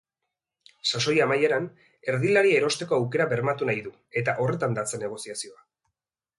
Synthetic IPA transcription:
saso̞jamajeɾan | e̞ɾðilaɾieeɾo̞st̪e̞ko̞awke̞ɾaβe̞ɾmat̪unajðu | e̞t̪aʔo̞re̞t̪and̪at͡senːe̞ɣ̞o̞siasio̞a

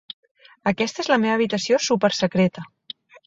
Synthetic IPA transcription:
əkɛst̪əezləmeβəːβ̞it̪əsiosupəɾsəkɾet̪ə

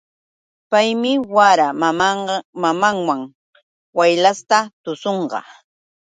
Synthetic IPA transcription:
pajmɪwaɾammmamaŋwaŋ | wajlast̪at̪ʊsoɴɢɑ̰

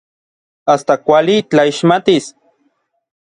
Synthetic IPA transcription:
ast̪akʷalit͡ɬaiʃmat̪is

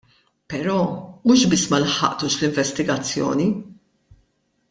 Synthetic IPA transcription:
pɛɾɔːmuːʃbɪsːmɐlħɐ̰ʔt̪uːʃlɪɱvɛst̪ɪɡɐt͡sːjɔ̰ːni

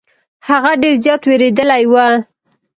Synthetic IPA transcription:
haɣaɖeɾzjɑt̪weɾed̪əlajwal

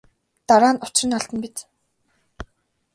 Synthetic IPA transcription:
t̪aɾaːnʊt͡ɕrɘ̆nɔɬt̪ə̆npit͡s̪

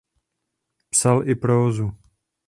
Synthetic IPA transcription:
psalʔɪpɾoozu

